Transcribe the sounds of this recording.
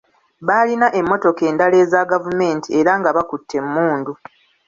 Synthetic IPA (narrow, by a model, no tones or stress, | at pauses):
βaːlinaʔe̞mːo̞to̞ke̞ːndale̞ːzaɡavume̞ːntʰie̞ɾaŋɡaβakutʰːe̞mːuːndu